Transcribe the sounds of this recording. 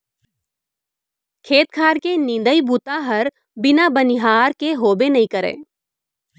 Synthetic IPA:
kʰeːt̪kʰaːɾkenĩːd̪əibut̪aɦɐɾ | bɪnabənɪɦaːɾkeɦoːbenɐɦĩkəɾḛː

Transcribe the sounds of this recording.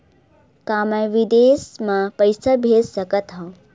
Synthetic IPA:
kaːmãjʋid̪eːsmãpəjsabʱeːssɐkət̪ɦɐ̃

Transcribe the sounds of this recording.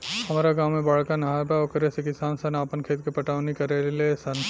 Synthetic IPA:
hɐmaːɾaɡaːʋːẽbaɭkanɐɦaːɾbaokɐɾesekɪsaːnsɐnaːpənkʰeːt̪̚kepɐʈaːʋnikɐɾelesɐn

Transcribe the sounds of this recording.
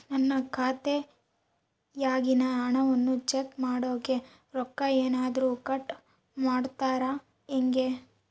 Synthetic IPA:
nɐnːɐkʰaːt̪e | jaːɡinɐːɳɐʋɐnːut͡ʃekmaːɽoːke̞ | ɾɔkːɐeːnaːd̪ɐɾuːkɐʈ | maːɽt̪aːɾɐ | eŋɡe̞

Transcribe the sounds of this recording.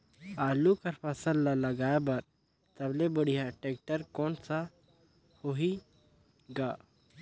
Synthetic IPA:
alukaɾfasəlːalaɡajbaɾ | t̪ablebəɽijaʈek̚ʈəɾkɔɳt͡sa | hoɦi | ɡa

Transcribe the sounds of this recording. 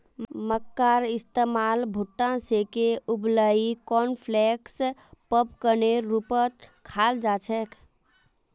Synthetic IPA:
məkːaɾɪst̪emalbʱuʈːãsekeubləikɔnpʰlɛkspəpkəneɾupət̪̚kʰald͡ʒat͡ʃʰɛkʰ

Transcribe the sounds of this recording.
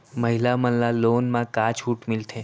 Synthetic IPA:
məɦilamənlalonmãkat͡ʃʰuʈmɪlt̪ʰe

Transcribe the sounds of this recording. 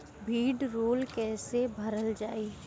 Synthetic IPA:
bʱiːɖɾoːlkɛːsebʱɐɾəld͡ʒaːi

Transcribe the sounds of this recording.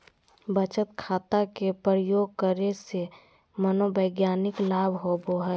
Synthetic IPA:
bət͡ʃət̪kʰaːt̪akepɾəjoːɡ̚kəɾese | mənobəɪɡjaːnɪklaːbʱɦoboɦɛ

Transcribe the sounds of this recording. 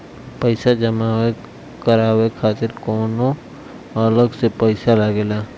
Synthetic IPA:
pəɪsad͡ʒəmawe | kəɾaːwekʰaːt̪ɪɾkɔːno | ələɡsepəɪsalaɡelaː

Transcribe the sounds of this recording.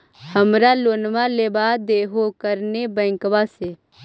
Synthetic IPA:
həmɾaloːnʋaleːbaːd̪eːɦokəɾnebɛ̃ːŋkwase

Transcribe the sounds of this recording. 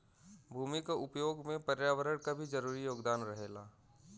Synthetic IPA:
bʱuːmikaʔʊpjoːɡmẽpɐɾjaːʋəɾəɽkabʱid͡ʒɐɾuːɾijoːɡd̪aːnɾɐɦeːlaː

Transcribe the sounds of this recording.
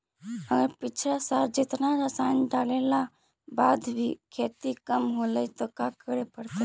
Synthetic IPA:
əɡəɾpɪt͡ʃʰɾasaɾd͡ʒɪt̪naɾəsanɖaːlela | baːd̪bʱikʰeːt̪ikəmɦoləit̪okakəɾepəɾt̪e

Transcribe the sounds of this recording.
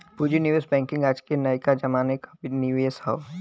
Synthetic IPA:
pud͡ʒiniʋesbɛ̃ːŋkɪ̃ŋɡaːd͡ʒkenɐjkad͡ʒɐmaːnekḁbniʋeesɦa̰ʋ

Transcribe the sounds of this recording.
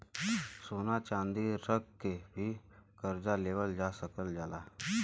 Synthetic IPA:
soːnat͡ʃãːnd̪iɾəɡ̚kebʱikəɾd͡ʒaleːʋəld͡ʒaːsəkəld͡ʒaːlaː

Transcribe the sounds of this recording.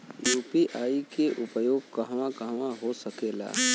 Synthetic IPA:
juːpiʔaːikeʔʊpəjoːɡ̚kɐɦʋãkəɦʋãɦosɐkeːla̰ː

